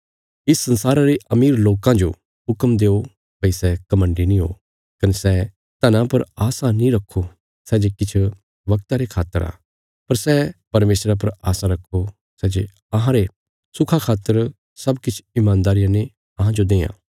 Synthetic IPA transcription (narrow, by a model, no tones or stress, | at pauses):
ɪsːɐ̃nsaːɾaɾeʔɐmiːɾloːkãd͡ʒo̰ | ɦʊkəmd̪eːo | pɐisɛkɐmə̃ɳɖinĩɦo̰ː | kɐnesɛ | t̪ɐnãpɐɾaːsãnĩɾɐkʰːo | sɛd͡ʒekɪt͡ʃʰ | ʋɐkt̪aɾekʰaːt̪ːəɾa̰ː | pɐɾsɛpɐɾmeːsɾap̬ɐɾaːsãɾɐkʰːo | sɛd͡ʒe | ɐɦãɾe | sʊkʰakʰaːt̪ːəɾ | sɐbkɪt͡ʃʰɪmãːnd̪aːɾijãne | ɐɦãd͡ʒod̪eːã̰ː